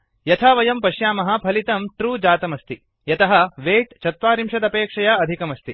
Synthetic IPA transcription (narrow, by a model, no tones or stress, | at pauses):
jɐt̪ʰaːʋɐjɐmpɐʃjaːmɐɦɐ̆pʰɐlit̪ɐmʈɾuːd͡ʒaːt̪ɐmɐst̪i | jɐt̪ɐɦɐʋeːʈt͡ʃʰɐt̪ʋaːɾimʃɐd̪ɐpeːkʂɐjaːɐd̪ʱikɐmɐst̪i